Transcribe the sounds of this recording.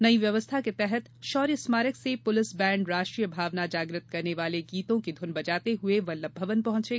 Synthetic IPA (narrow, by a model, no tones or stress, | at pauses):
nɐiʋjɐʋəst̪ʰaket̪ɛɦɛt̪ʃɔːɾjəsmaːɾəksepʊlɪsbɛ̃ːɳɖɾaːʃʈɾiːjəbʱaːʋnad͡ʒaːɡɾɪt̪̚kɐɾneʋaːleɡiːt̪õkid̪ʱʊnbɐd͡ʒaːt̪eɦʊeʋɐlːəbʱːəʋənpɐɦʊ̃t͡ʃeː